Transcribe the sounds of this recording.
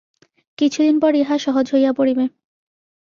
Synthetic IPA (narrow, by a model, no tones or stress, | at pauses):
kit͡ɕʰud̪inpɔɾeɦaʃɔɦod͡ʑɦojapoɽibe